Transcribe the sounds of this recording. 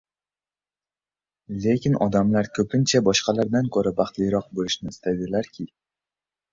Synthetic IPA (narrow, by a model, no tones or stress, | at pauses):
le̞kʲɪnɒd̪amlaɾkʰɵpʰɪnt͡ʃʰabɒʃqɑlaɾd̪ankʰɵɾabɑχt̪lɪjɾɒq̚bolɪʃnɪːst̪ʰad̪ɪlaɾkʲʰɪ